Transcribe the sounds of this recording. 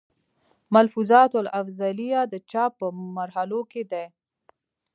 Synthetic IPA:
malfuzɑt̪alafzalijad̪ət͡ʃɑpːəmaɾhaloked̪e

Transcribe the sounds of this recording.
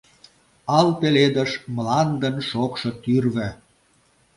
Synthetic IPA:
ɑlpeled̪əʃmlɑnd̪ənʃokʃɤ̆t̪yrβɘ̆

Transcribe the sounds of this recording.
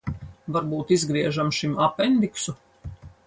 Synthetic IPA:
vaɾbuːt̪izɡɾiɛʒamʃimapɛnd̪iksu

